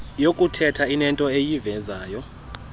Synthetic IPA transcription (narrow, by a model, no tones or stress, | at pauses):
jokʼutʰɛtʰainɛntʼɔejivɛzaːjɔ